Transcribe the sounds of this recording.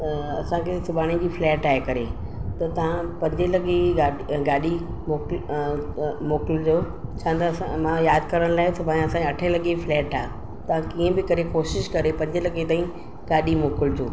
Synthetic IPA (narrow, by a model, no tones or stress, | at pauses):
ɐsãkʰesʊbʱaːɽ̃id͡ʑiːflɛːʈaːɦekɐɾe | t̪ɐt̪ɐʋ̤ãpɐ̃ɲd͡ʑelɐɠeɡaː | ɡaːɗi | moːk | moːkɪld͡ʑoː | t͡ɕʰãːt̪ɐãmãjaːd̪kɐɾəɽ̃laːesʊbʱaːɽ̃iɐsãkeɐʈʰẽlɐɠeflɛːʈaː | t̪ɐʋ̤ãkiːə̃bɪkɐɾekoːʃɪʃkɐɾepɐ̃ɲd͡ʑelɐɠet̪aːĩ | ɡaːɗimoːkɪld͡ʑoː